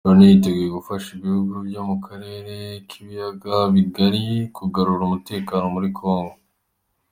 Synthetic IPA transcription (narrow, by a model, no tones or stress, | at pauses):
onijite̞ɡujeɡufaʃiβihuɡuvɟo̞ːmukaɾe̞ːɾe̞kʰiβijaɡaβiɡaɾikuɡaɾuɾumute̞ːkano̞muɾikʰo̞ːŋɡo